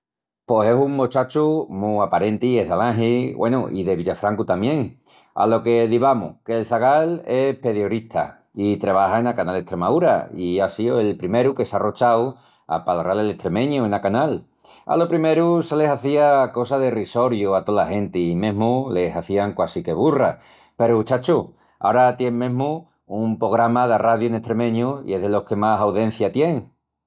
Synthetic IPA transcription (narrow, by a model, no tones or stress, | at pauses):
po̞se̞suŋmot͡ʃat͡ʃumuapaɾe̞nt̪ieɦðalãŋɦiwḛnṵʔḭðe̞βiʎafɾaŋkut̪amjẽ̞ŋ | a̰lo̞ke̞ðiβamṵke̞ːlθaɣale̞pe̞ðjoɾit̪ʰa̰ | it̪ɾeβ̞ahaenakanale̞ht̪ɾe̞mauɾa̰iasioe̞lpɾime̞ɾuke̞saro̞t͡ʃaw | a̰palaralele̞ht̪ɾe̞mẽ̞ɲuenakanal | a̰lo̞pɾime̞ɾusele̞saθiako̞saðeriso̞ɾjuat̪olahe̞nt̪emẽ̞ɦmule̞saθiaŋkwasike̞β̞ura̰ | pe̞ɾut͡ʃat͡ʃu | a̰oɾat̪jeŋmẽɦmuː | umpɾo̞ɣɾamaðaraðjuenest̪ɾe̞mẽ̞ɲuḭe̞ɦðelo̞hke̞masawðe̞n̟θjat̪je̞ŋ